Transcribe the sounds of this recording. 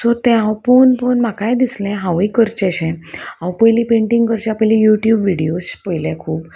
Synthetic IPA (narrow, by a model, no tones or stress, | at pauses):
sot̪ɛ̃awponpənm̤akajd̪islɛ̃ɦãwikəɾt͡ɕɛɕɛ̃awpəjlipeɳʈiŋɡkəɾt͡ɕjapəjlijuʈjuːbʋiɽijospəjlɛkʰuːb